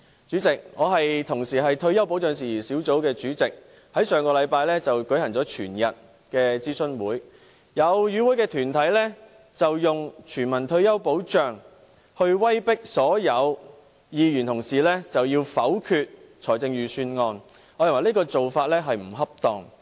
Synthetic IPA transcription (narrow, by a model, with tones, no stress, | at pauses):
t͡ʃyː˨˥t͡sɪ˨k̚ŋɔː˨˧ɦɐ˨jt̪ʰʊ˨˩ŋsiː˨˩ɦɐ˨jt̪ʰɵ˧ɥjɐ˥wpo˨˥wt͡ʃœː˨ŋsiː˨˩jiː˨˩siː˨˥wt͡so˨˥wkɛː˧t͡ʃyː˨˥t͡sɪ˨k̚ | hɐ˨˥jsœː˨ŋkɔː˧lɐ˨˧jpaː˧jlɛː˥t͡sɐ˨wkɵ˨˥jhɐ˨˩ŋt͡sɔː˨˥t͡ʃʰyː˨˩njɐ˨t̚ | kɛː˧t͡siː˥sɵ˥nwuː˨˥j | jɐ˨˧wjyː˨˧wuː˨˥jkɛː˧t̪ʰyː˨˩nt̪ʰɐ˨˥jlɛː˥ | t͡sɐ˨wjʊ˨ŋt͡ʃʰyː˨˩nmɐ˨˩nt̪ʰɵ˧ɥjɐ˥wpo˨˥wt͡ʃœː˨ŋ | hɵ˧ɥwɐ˥jpɪ˥k̚sɔː˨˥jɐ˨˧w | jiː˨˧jyː˨˩nt̪ʰʊ˨˩ŋsiː˨˩lɛː˥t͡sɐ˨wjiː˧wfɐ˨˥wkʰyː˧t̚ | t͡ʃʰɔː˨˩jt͡sɪ˧ŋjyː˨˩syː˧nŋɔː˧n | ŋɔː˨˧jɐ˨˩ŋwɐ˨˩jli˥kɔː˧t͡so˨wfaː˧t̚lɛː˥ɦɐ˨jm̩˨˩ɦɐ˥p̚t̪ɔː˨ŋ